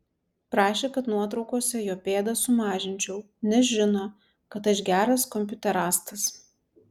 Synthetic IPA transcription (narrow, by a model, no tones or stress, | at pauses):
pɾɑːʃʲeːkɐt̪nuɔt̪̬ɾɒʊkoːsʲɛjoːpʲeːd̪ɐsʊmɑːʒʲɪnʲt͡ʃʲɛʊ | nʲɛʒʲɪnoː | kɐt̪ɐʃɡʲæːɾɐskɔmʲpʲʊt̪ʲɛɾɑːst̪ɐs